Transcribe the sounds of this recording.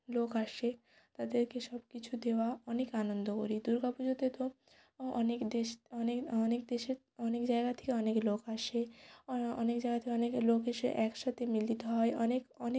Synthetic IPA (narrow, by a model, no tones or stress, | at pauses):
lokaʃe | t̪ad̪eɾkeʃɔbkit͡ɕʰud̪eoaɔnekanond̪oko̰ɾid̪uɾɡapud͡ʑot̪et̪o | ɔ̰nekd̪eʃɔnekɔnekd̪eʃeɾ | ɔnekd͡ʑaeɡat̪ʰe̥keɔneklokaʃe | ɔ̰nekd͡ʑajɡat̪ʰekeɔneklokeʃḛʔɛkʃat̪ʰemild̪it̪eɦɔeʔɔnekɔne